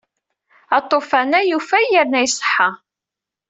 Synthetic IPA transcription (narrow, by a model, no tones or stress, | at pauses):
ɑt̪ˤːofænæjufæjəɾnæjsˤħːɑ